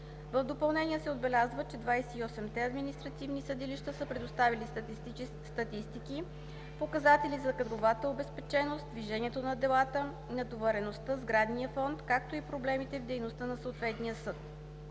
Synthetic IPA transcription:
vəvd̪opɐlˠnɛnijəsɛod̪̚bɛlʲazvət͡ʃɛd̪vajsɛiɔsɛmt̪ɛɐd̪minist̪ɾɐt̪ivnisəd̪iliʃt̪əsəpɾɛd̪ost̪avili | st̪ɐt̪ist̪iki | pokɐzat̪ɛlizɐkɐd̪ɾovat̪əobɛspɛt͡ʃɛnost̪d̪viʒɛniɛt̪onɐd̪ɛlˠat̪ə | inɐd̪ovɛɾɛnost̪əzɡɾad̪nijəfɔnt̪kak̚t̪oipɾoblɛmit̪ɛvd̪ɛjnost̪ənɐsoːt̪vɛt̪nijəsɤt̪

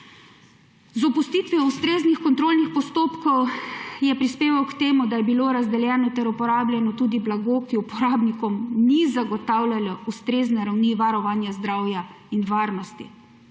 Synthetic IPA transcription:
zɔpust̪iːt̪ʋiɔust̪ɾeːznixkɔnt̪ɾoːlnixpɔst̪oːpkɔwjɛpɾispeːʋawkt̪eːmud̪ajɛbiloːɾazd̪ɛljɛːnɔt̪ɛɾupɔɾaːbljɛnɔt̪uːd̪iblaɡokiupɔɾaːbnikɔmnizaɡɔt̪aːwljalɔust̪ɾeːznɛɾawniʋaɾɔʋaːnjazd̪ɾaːwja | inʋaːɾnɔst̪ḭ

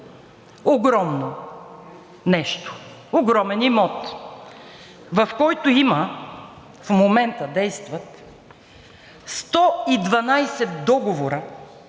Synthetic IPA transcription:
oɡɾɔmno | nɛʃt̪o̥ | oɡɾɔmɛnimɔt̪ | vɐfkɔjt̪ʊimə | fmomɛnt̪əd̪ɛjst̪vɐt̪ | st̪ɔid̪vɐnajsɛt̪d̪ɔɡovoɾə

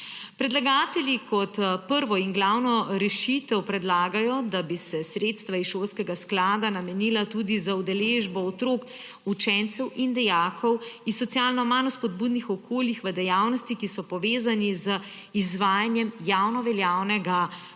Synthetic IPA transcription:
pɾɛd̪laɡaːt̪ɛljikɔt̪pəɾʋɔinɡlawnɔɾɛʃit̪ɛwpɾɛd̪laːɡajɔd̪abisɛsɾet̪st̪ʋaiʃoːlskɛɡasklaːd̪anamɛniːlat̪uːd̪izaud̪ɛleʒbɔɔt̪ɾoːk | ut͡ʃɛnt̪sɛwʔind̪ɛjaːkʰɔwisɔt̪sijaːlnɔmanɔspɔd̪̚buːd̪nixɔkʰoːljixʋəd̪ɛjawnɔst̪ikisɔpɔʋeːzanizə | izʋaːjanjɛmjawnɔʋɛljaːwnɛɡa

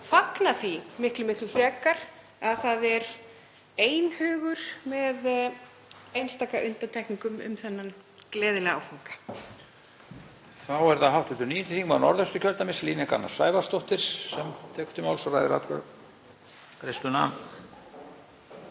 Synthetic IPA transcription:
faknaθimɪhklɪmɪht̪lʏfɾɛːkaɾ̥ | aðθaðɛɾ | eːjnhʏːɣʏɾ̥mɛð | ejnst̪aːkaʔʏnt̪ant̪ʰɛjhkniŋkʏmʏ̰mθɛnːan | klɛːðɪlɛɣa̰wfawŋkḁ | θawɛɾθaɦaw̥t̪ɪt̪ʏɾniːjʏnt̪ɪ̥θiŋmanɔ̰ɾðœst̪ʏ̥cʰœlt̪amɪsliːnɛka̰na̰saːjvḁst̪ɔht̪ɪɾ̥sɛmt̪ʰɛːkʏ̥t̪ɪmaːwlsɔra̰jðɪɾa̰t̪kʰa̰ | kɾest̪ʏna̰ːm

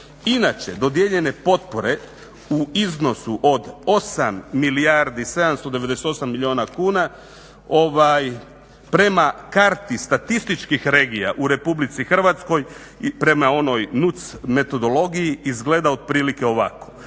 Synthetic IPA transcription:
inat͡ʃe̞̰d̪o̞d̪jeʎe̞ne̞po̞t̪̚po̞ɾe̞ | uizno̞suʔo̞d̪o̞samːilijaɾd̪ise̞d̪amst̪o̞d̪eʋe̞d̪e̞set̪o̞samːilʎʲio̞ːnakuːna | o̞ʋaj | pɾe̞makaɾt̪ist̪at̪ist̪it͡ʃkixɾe̞ːɡija̰ʔuɾe̞publit̪sixr̩ʋat̪sko̞j | pɾe̞mao̞no̞jnut̪sme̞t̪o̞d̪o̞lo̞ɡijiizɡle̞d̪aod̪̚pɾiːlike̞o̞ʋako̞̥

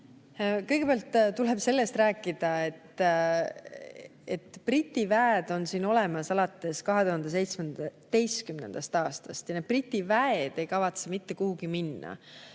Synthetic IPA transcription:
kɤjɡ̥e̞peæɑlt̪ːt̪ule̞b̥se̞lːe̞st̪rɾæːkːˑid̪̥ɑe̞t̪ː | e̞t̪prit̪ːˑivæːd̪o̞nsiːno̞le̞mɑsɑlɑt̪ːˑe̞skɑɦe̞d̪uhɑnd̪̥es̬e̞jt̪smend̪̥ɑt̪e̞jskymne̞̰nd̪̥ɑst̪ɑːst̪ɑst̪jɑned̪̥̚prit̪ʲːivæed̪̥e̞jkɑvɑt̪semit̪ːe̞kuhuɡ̥iminːɑ̰

